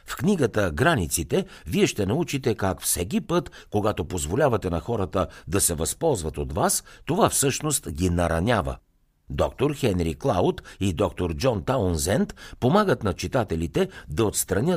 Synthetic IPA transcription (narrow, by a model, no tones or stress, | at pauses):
fkniɡət̪əɡɾanit̪sit̪ɛviɛʃt̪ɛnɐut͡ʃit̪ɛkakfsɛk̬ipɤt̪koɡat̪opozvolʲavɐt̪ɛnɐxɔɾət̪əd̪ɐsɛvɐspɔlˠzvɐt̪ot̪vast̪ovafsɤʃnost̪ɡʲinɐɾɐnʲavə̰ | d̪ɔk̚t̪oɾxɛnɾiklˠawʊt̪id̪ɔk̚t̪oɾd͡ʒɔnt̪anzɛnt̪pomaɡət̪nɐt͡ʃit̪at̪ɛlit̪ɛd̪ɐot̪st̪ɾɐnʲə